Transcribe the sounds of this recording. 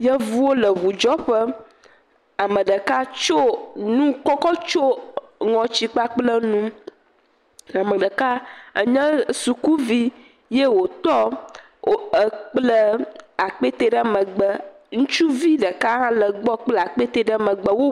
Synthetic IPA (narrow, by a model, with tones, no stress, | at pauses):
jə˦vu˦wo˦lə˨βu˨d͡ʒɔ˦ɸə˦ | a˨mə̃˨ɖə˨ka˦t͡ʃo˦nũ˦kɔ˦kɔ˦t͡ʃo˦ | ŋɔ̃˨t͡ɕi˦k͡pa˦k͡plə˦nũ˦ | a˨mə˨ɖə˨ka˦ə̰˨ɲə̃˦su˨ku˦vi˦ | je˦wo˨t̪ɔ˦ | o˦ə˨k͡plə˦a˨k͡pe˦t̪e˦ɖə˦˨mə̃˨ɡ͡bə˦ | ŋũ˦t͡ʃu˦vi˦ɖə˨ka˦ɦã˦lə˨ɡ͡bɔ˦k͡plə˦a˨k͡pe˦t̪e˦ɖə˦˨mə̃˨ɡ͡bə˦wo˦